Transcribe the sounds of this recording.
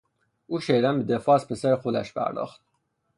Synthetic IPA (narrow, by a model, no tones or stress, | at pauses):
uːʃejɾæmbed̪efɒːspʰesæɾexod̪æ̰ʃpʰæ̰ɾd̪ɒ̰ːxt̪̚